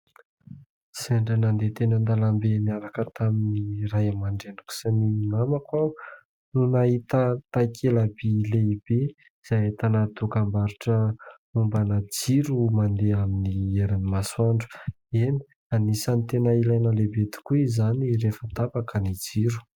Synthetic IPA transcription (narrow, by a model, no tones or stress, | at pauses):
seɳɖ͡ʐanand̪et̪enənd̪alambeniaɾakət̪ʰaminiɾajamaɳɖ͡ʐenaku̥saninamakwa | nunaɦit̪ət̪ajkʰelabileibe | z̥ajt̪anat̪ukambaɾuʈ͡ʂə | umbanad͡ziɾumand̪eaminieɾanimaswaɳɖ͡ʐu̥ | eni̥ | anisanit̪enəilajnəlebet̪i̥kuizanirefət̪abakənid͡ziɾu̥